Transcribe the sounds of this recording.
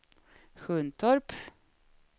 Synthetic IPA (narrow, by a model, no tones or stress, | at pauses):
ɧɵːnt̪ʰɔɾp